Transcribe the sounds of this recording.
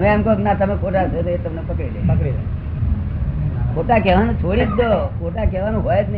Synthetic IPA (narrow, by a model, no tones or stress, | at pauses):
əmeamkeknat̪əmekʰoʈat̪ət̪oet̪əmnepəkɽilepəkɽilḛ | kʰoʈakɛʋanũt͡ʃʰoɽitd͡ʒokʰoʈakeʋanũɦojet̪n